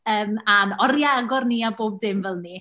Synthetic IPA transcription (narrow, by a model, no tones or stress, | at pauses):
əːmanɔrjaɡɔrniaboːb̚dɪmvɛlˠni